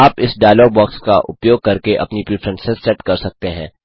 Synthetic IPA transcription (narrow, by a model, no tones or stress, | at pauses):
aːpɪsɖaːjlɔːɡ̚bɔːkskaʔʊ̰pjoːɡ̚kɐɾkeʔɐpnipɾifʰɾɛ̃nsɛzsɛʈkɐɾsɐk̚t̪eɦɛ̃ː